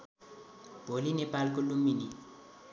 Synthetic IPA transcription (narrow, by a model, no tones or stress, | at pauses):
b̥ʱolinepalk̬olumini